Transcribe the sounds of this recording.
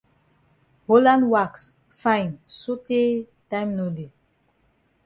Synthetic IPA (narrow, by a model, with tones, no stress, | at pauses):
ho˦lã˦nwaks | fã˦jnso˦te˦ | tã˦jmno˨de˨